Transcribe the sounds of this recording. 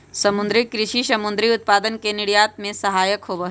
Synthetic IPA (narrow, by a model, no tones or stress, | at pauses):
sɐmʊ̃nd̪ɾɪkɾɪʃiʃɐmʊ̃nd̪ɾiʊt̪̚paːd̪ənkenɪɽjaːt̪mẽsɐɦaːjəkɦoːbəɦ